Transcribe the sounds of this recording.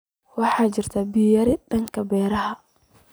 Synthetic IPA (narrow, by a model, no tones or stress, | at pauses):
wɑħɑːt͡ʃɪrt̪ʰɐbijɐɾɪdɐŋkʰɐbɛːɾɐɦɐ